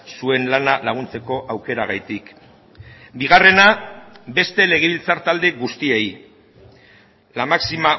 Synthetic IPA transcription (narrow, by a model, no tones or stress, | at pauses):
sue̞nlanalaɣ̞unt͡se̞ko̞ʔawke̞ɾaɣ̞ajt̪ik | biɣ̞are̞nabe̞st̪e̞le̞ɣ̞eβilt͡saɾt̪ald̪e̞ɣust̪iej | lamaksima